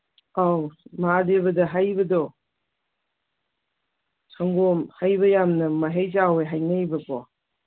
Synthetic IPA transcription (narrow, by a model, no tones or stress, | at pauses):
awmadeβɐdɐɦajbɐdɔ | sʰaŋɡomhajbɐjamnɐmɐɦejzaweɦajnɐjbɐpʰɔ